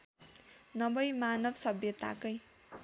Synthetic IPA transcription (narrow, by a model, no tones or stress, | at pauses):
nʌbʌjmanʌbsʌbjʌt̪a̰kʌj